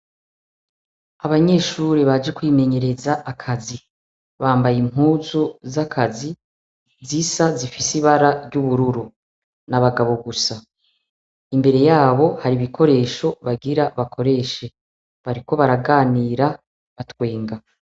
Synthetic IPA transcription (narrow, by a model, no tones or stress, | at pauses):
aβaɲe̞ːʃuɾeβad͡ʒe̞kwime̞ɲe̞ɾe̞zaʔːkʰazi | βaːmbajimhuːzuzakʰazi | zisazifisiβaɾaɾɟuβuɾuɾu | naβaɡaβo̞ɡusa | imbe̞ɾe̞jaːβo̞haɾiβikʰo̞ɾe̞ːʃo̞βaɡiɾaβakʰo̞ɾe̞ːʃe̞ | βaɾiko̞βaɾaɡaːniːɾa | βatwe̞ːŋɡa